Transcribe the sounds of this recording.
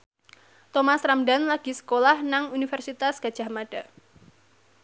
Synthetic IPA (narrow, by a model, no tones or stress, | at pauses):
t̪ɔmasɾamdanlaɡ̥i̤sə̥kolahnaŋunifɛrsit̪asɡ̥ad̥ʒ̥a̤hmaɖ̥a̤